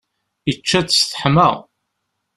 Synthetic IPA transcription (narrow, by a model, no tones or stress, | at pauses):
it͡ʃːæt͡sːsθə̥ħmə̰ʁ